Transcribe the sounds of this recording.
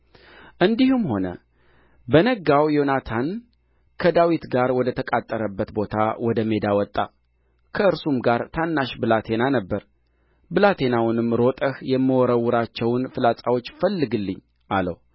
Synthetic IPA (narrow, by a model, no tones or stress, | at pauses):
ʔɨnd̪ihumho̞nə̰ | bənəɡawjo̞nat̪ʰan | kʰəd̪awit̪ɡaɾwɔd̪ət̪ʰəkʼat̪ʼːəɾəbːət̪bo̞t̪ʰawɔd̪əme̞d̪awɔt̪ʼːa | kʰəɨɾsumɡaɾt̪ʰanːaʃbɨlat̪ʰe̞nanəbːəɾ | bɨlat̪ʰe̞nawnɨmːɾo̞t̪ʼəhjɛmːɨwɔɾəwːʊɾat͡ʃːɛwnfɨlat͡sʼawo̞t͡ʃːfəlːɨɡɨlːɨɲː | ʔalə̰w